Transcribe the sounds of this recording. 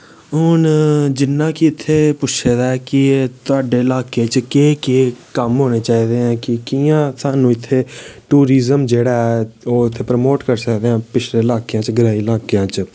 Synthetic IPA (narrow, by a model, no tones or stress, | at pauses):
ʊːnd͡ʒɪnːãːkiɪt̪ʰːeːpʊt͡ʃʰeːd̪aːɛːkɪt̪ʊaːɖeːlaːkeːt͡ʃkeːkeːkəmɦoːneːt͡ʃaːiːd̪eːãːkɪkijãːsaːnũːɪt̪ʰːeːʈuːɾiːzəmd͡ʒeːɽaːɛoːɪt̪ʰːeːpɾəmoːʈkəɾsəkd̪eːãːpɪt͡ʃʰleːlaːkjãːt͡ʃɡəɾaːiːlaːkjãːt͡ʃ